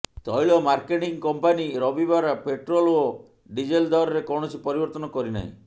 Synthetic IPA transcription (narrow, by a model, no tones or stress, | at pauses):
t̪ɔjɭɔmaɾkeʈiŋkɔmpaniɾɔbibaɾapeʈɾolo | ɖid͡ʒeld̪aɾɔɾekɔɽ̃ɔsʰipɔɾibɔɾt̪ɔnɔkɔɾina̰ɦḭ̃